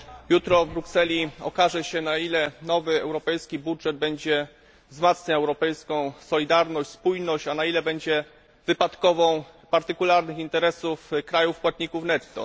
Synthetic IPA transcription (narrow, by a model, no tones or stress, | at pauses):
jut̪ɾɔvbɾuksɛlʲiɔ̰kaʐɛɕɛnailɛnɔvɘɛwɾɔpɛjskʲibudʐɛd̪̚bɛɲd͡ʑɛ | vzmat̪sɲaɛwɾɔpɛjskɔ̃w̃sɔlʲid̪aɾnɔɕt͡ɕʲspujnɔɕt͡ɕanailɛbɛɲd͡ʑɛ | vɘpat̪kɔvɔ̃w̃ | paɾt̪ɘkulaɾnɘxint̪ɛɾɛsufkɾajufpwat̪̚ɲikufnɛt̪ːɔ̰